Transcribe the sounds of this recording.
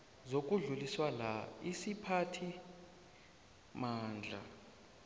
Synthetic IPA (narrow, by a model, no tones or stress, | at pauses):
zokʼuɮuliswalaisipʰatʰi | maːnd͡ɮʱa̰